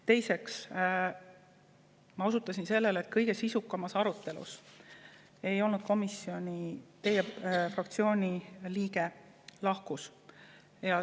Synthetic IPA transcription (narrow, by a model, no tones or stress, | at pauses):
t̪e̞jse̞ks | mɑusut̪ːˑɑsinse̞lːe̞leːt̪̚kɤjɡ̥e̞sisukːˑɑmɑsɑɾut̪ːˑe̞lṵs | e̞jo̞lnud̪̥̚ko̞misːio̞nʲit̪e̞jefrɑk̚t̪sio̞ːnʲiliːɡe̞ | lɑhkus | jɑ